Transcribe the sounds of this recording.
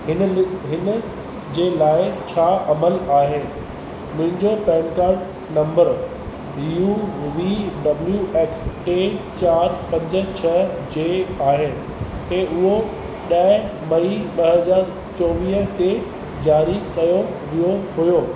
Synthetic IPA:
ɪɦɪnə | d͡ʑeːlaːɪt͡ɕʰaːʔɐməlaːɦɪnɪ̆ | mʊ̃ɦɪ̃ɲd͡ʑopɛ̃ːnkaːɾɖ | nɐ̃mbəɾ | iuʋiːɖɐbljuʔeːksʈeːt͡ɕaːɾpɐ̃ɲd͡ʑə̆t͡ɕʰɐd͡ʑeːaːɦɪnɪ̆ | k̪ẽʊɦo | ɗɐmɐiɓɐɦɦɐzaːɾ | t͡ɕɔːʋiːɦət̪e | d͡ʑaːɾikɐjo | ʋijoɦujoː

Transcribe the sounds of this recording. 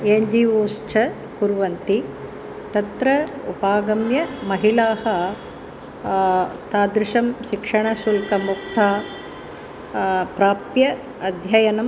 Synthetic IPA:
eːɲd͡ʒiːoːst͡ʃʰɐ | kuɾʋɐnt̪i | t̪ɐt̪ɾɐṵpaːɡɐmjɐmɐɦilaːɦɐ | t̪aːd̪ɾɪʃɐmʃikʂɐɳɐsulkɐmuk̚t̪aː | pɾaːpjɐ | ɐd̪ʱjɐjɐnɐm

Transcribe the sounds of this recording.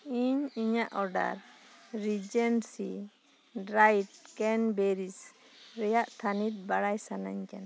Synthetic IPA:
iɲiɲaʔɔɾɖa̰ɾɾid͡ʒɛnsi | ɾajt̚kɛnbɛɾis | ɾɛjaʔt̪ʰanit̪̚baɽajsana̰ɲkana

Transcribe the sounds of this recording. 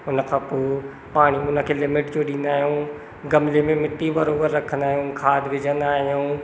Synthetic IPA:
ʊnə̆kʰãːpoː | paːɽ̃iʊnə̆kʰeːlɪmɪʈd͡ʑoɗĩːn̆d̪aːɦijũ | ɡɐmlemẽmɪʈːibɐɾoːbəɾːɐkʰə̃nd̪aːɦijũːkʰaːd̪ʋɪd͡ʑə̃nd̪aːɦijũː

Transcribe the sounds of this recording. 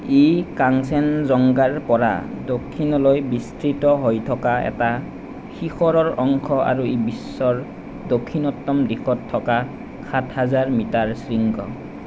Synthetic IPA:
ekaŋsɛnzɔŋɡaɹpɔɹa̰ | dokʰːinɔlojbistɹitɔɦojtʰɔkaɛ̰ta | xixɔɹɔɹɔŋkʰɔa̰ɹuebisːɔɹ | dokʰːinɔtːɔmdixɔtʰːɔka | xʰatʰhazaɹmitaɹsɹiŋkʰɔ̰

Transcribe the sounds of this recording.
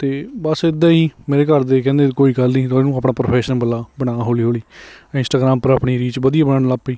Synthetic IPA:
t̪eːbəsɪd̪ːãːiːmeːɾeːkəɾd̪eːkɛ̃ːnd̪eːkoːiːkəlnĩːt̪ːnũːaːpɳaːpɾopʰɛːʃənpəlːaːbəɽ̃ãːɦoːliːɦoːliːɪ̃nsʈaːɡɾaːmpəɾaːpɽiːɾiːt͡ʃʋəd̪ijaːbənaːɳəlaːpiː

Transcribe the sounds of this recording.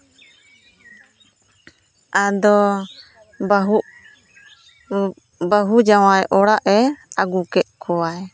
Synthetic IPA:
ad̪ɔ | baɦuʔ | baɦud͡ʒawajʔɔɽaʔɛaɡukɛʔ̪̚kʰɔwaj

